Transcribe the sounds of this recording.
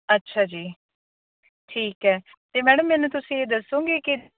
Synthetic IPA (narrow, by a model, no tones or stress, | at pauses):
ətːʃʰaːd͡ʒiː | ʈʰiːkɦɛː | t̪eːmɛːɽəmːɛːnũːt̪ʊsĩːeːd̪əsõːɡeːkɪ